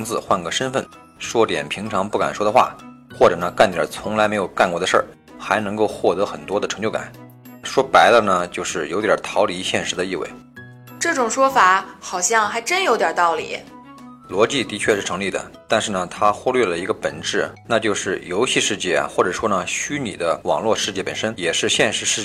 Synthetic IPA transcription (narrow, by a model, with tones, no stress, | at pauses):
ŋt͡sɹ̩˥˧xwa˥˩nɡə˥˩ʂə˥nfə˥˩n | ʂwɔ˥t̪jɛ̰˨˩npʰi˧˥ŋʈ͡ʂʰɑ˧˥ŋpu˥˩ka̰˨˩nʂwɔ˥d̪ə˧xwa̰˥˩xwɔ˥˩ʈ͡ʂɤ˨˩nə˦ka˥˩nt̪jə̰˨˩t͡sʰʊ˧˥ŋla˧˥ɪme˧˥ɪjo˨˩ʊka˥˧nkwɔ˥˩d̪ə˩ʂə̰˥˩ | xa˧˥ɪnɤ˧˥ŋko˥˧ʊxwɔ˥˩t̪ɤ˧˥xə˨˩nt̪wɔ˥d̪ə˨ʈ͡ʂʰɤ˧˥ŋt͡ɕjka̰˨˩˦n | ʂwɔ˥pa˧˥ɪd̪ə˧nə˩t͡ɕjo˥˧ʊʂɻ̩˥˩jo˧˥ʊt̪jɐ˞˨˩t̪ʰɑ˧˥ʊli˧˥ɕjɛ˥˩nʂɻ̩˧˥d̪ə˧i˥˧wḛ˥˩ɪ | ʈ͡ʂɤ˥˩ʈ͡ʂʊ˨˩ŋʂwɔ˥fa˧˥xɑ˨˩ʊɕjɑ˥˩ŋxa˧˥ɪʈ͡ʂə˥njo˧˥t̪jɑ˨˩t̪ɑ˥˩ʊlḭ˨˩˦ | lwɔ˧˥t͡ɕi˥˩t̪i˧˥t͡ɕʰɥɛ˥˧ʂɻ̩˥˩ʈ͡ʂʰɤ˧˥ŋli˥˩d̪ə̰˩t̪a˥˧nʂɻ̩˥˩nə˩t̪ʰa˥xwu˥lɥɛ˥˩lə˩i˧˥ɡə˧pə̰˨˩nʈ͡ʂɻ̩˥˩na˥˧t͡ɕjo˥˧ʊʂɻ̩˥˩jo˧˥ʊɕi˥˧ʂɻ̩˥˧t͡ɕjɛ̰˥˩xwɔ˥˩ʈ͡ʂɤ˨˩ʂwɔ˥nə˨ɕy˥nḭ˨˩d̪ə˦wɑ̰˨˩ŋlwɔ˥˧ʂɻ̩˥˧t͡ɕjɛ˥˩pə˨˩nʂə˥njɛ˨˩ʂɻ̩˥˧ɕjɛ˥˧nʂɻ̩˧˥ʂɻ̩˥˧t͡ɕ